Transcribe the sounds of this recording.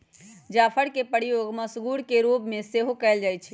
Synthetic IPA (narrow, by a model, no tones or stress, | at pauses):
d͡ʒapʰəɽkepəɽijoɡməsɡuɽkeɾobmeseɦokɛɪld͡ʒajt͡ʃʰɛ